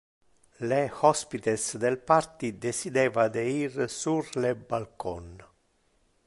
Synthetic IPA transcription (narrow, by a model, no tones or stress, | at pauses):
lehɔspit̪esd̪elpart̪id̪esid̪ɛːvad̪eirsurlebalkʰɔn